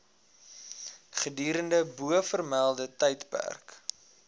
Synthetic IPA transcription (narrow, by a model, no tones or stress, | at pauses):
χədyːɾəndəbuəfərmælˠdətəjtpæ̰rk